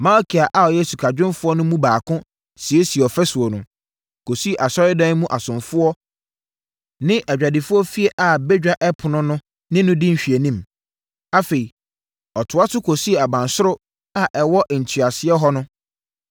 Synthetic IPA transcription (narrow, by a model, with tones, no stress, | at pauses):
mã˦ɔ˦kʰi˨a˨ʔa˦ɔ˨jɛ˦su˨kʰa˨d͡ʑᶣɪ̃˦nfʊ˦ɔ˦nʊ̃˦mũ˦baː˨kʰʊ̃˦ | si˨e˦si˨ɛ˨ɔ˨fɛ˦sʊ˨o˨nʊ̃˨ | kʰo˨si˦e˦˨ʔa˨sɔ˦ɪ˦dã˦n˦mũ˦ʔa˨sʊ̃˨nfʊ˦ɔ˦ | nɪ̃˦ʔɛ˨d͡ʑᶣa˨dɪ˨fʊ˦ɔ˦fi˦e˦ʔa˨be˦d͡ʑᶣa˨ʔɛ˦pʰʊ˨nʊ̃˦nʊ̃˦ | nɪ̃˦nʊ̃˦dɪ̃˦m̩˨ɕᶣi˨e˨nĩ˦m | a˦fe˨i˨ | ɔ˨tʰʊ˨a˦sʊ˦kʰo˨si˦˨a˨bã˨nsʊ˦ɾʊ˦ | a˦ʔɛ˨wɔ˦ʔn̩˨tʰɥa˨sɪ˦ɛ˦ɦɔ˦nʊ̃˦